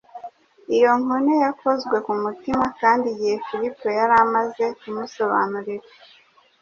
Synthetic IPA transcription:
ijo̞ŋonejakʰo̞zɡwe̞kumutimakaːndiɟihefiɾipojaɾamaze̞kumuso̞βa̰nuɾiɾa

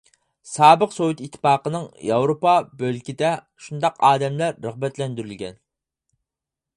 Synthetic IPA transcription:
sɑːbəqsowut̪it̪ʰːɪ̥pɑːqənɨŋjɑwɾopɑbølkʲid̪ɛ | ʃund̪ɑqʰɑːd̪ɛmlæɾːəʁbɛt̪lɛnd̪yɾylɡʲɛn

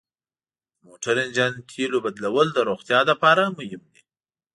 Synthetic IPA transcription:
moʈaɾɪnd͡ʒant̪ʰilobad̪lawəld̪əɾoxt̪jɑd̪əpɑɾamʊjɪmd̪i

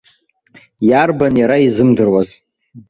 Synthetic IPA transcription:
jarbanjaɾaizɨmdɨrwaz

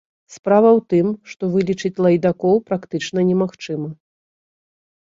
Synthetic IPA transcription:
spɾavɐwt̪ɨmʂt̪ɔvɨlʲit͡ʂɨt͡sʲlˠɐjd̪akɔwpɾakt̪ɨt͡ʂnɐnʲɛmaxt͡ʂɨmɐ

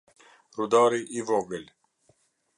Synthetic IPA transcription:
ɾud̪ɑːɾiʔivoɡəl

